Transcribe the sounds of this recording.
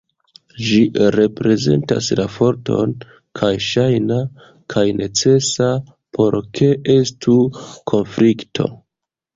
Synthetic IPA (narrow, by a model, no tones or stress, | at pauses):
d͡ʒiɾe̞pɾe̞ze̞̰nta̰slafo̞ɾto̞̰n | kʰajʃajna | kʰajnʔe̞t͡se̞sa | pʰo̞ɾkʰe̞e̞stukʰo̞nfliktʰo̞̰